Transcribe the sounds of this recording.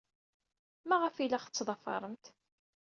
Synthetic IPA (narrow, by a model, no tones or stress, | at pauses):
mæʁəfilaχət͡sːðˤɑfɑ̰ɾˤəmt̪